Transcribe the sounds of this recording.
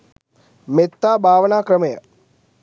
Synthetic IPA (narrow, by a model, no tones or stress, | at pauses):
met̪ːaːbʱaːʋɐnaːkɾɐmɐjɐ̰